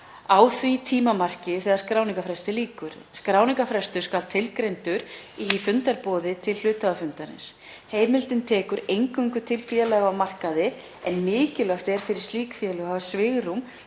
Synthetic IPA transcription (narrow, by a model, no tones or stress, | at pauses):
aːwθvit̪ʰiːmamar̥cɪθɛːðaɾ̥skɾaːwniŋkafɾɛst̪ɪliːkʏɾ̥ | skɾaːwniŋkafɾɛst̪ʏɾ̥skalt̪ʰːɪlkɾejnt̪ʏɾ | iːfʏnt̪aɾpɔːðɪt̪ʰɪllʏːt̪aðafʏnt̪aɾɪ̰ns | heːjmɪlt̪ɪnt̪ʰɛːkʏɾejŋkʏŋkʏt̪ʰɪlfjɛlɛɣamar̥kaðɪ | ɛnmɪːcɪlœxt̪ɛɾ̥fɪɾɪ̥ɾ̥st̪iːkfjɛlʏhavsvɪɣɾum